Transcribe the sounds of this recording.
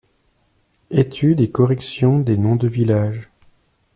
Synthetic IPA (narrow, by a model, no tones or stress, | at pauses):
et̪ʰyd̪ekɔʁɛksjɔ̃d̪enɔ̃d̪əvilaʒ